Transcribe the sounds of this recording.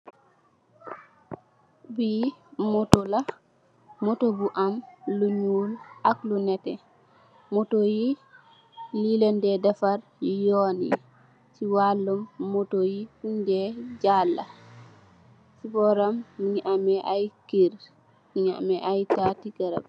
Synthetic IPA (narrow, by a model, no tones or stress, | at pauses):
bimɔtɔla | motobuʔamluɲulaklunɛtɛ | motoji | lilɛndɛdafaɾjonḭ | siwalːɔmːotojiundɛd͡ʒalːa̰ | sibɔɾamːiɲʔamɛʔajkiɾ | miɲa̰mɛʔajtatikaɾa̰b